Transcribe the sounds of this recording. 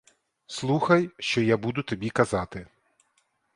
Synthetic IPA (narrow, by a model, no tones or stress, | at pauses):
slˠuxɐjʃt͡ʃɔjabud̪ʊt̪ɔbʲikɐzɑt̪ɪ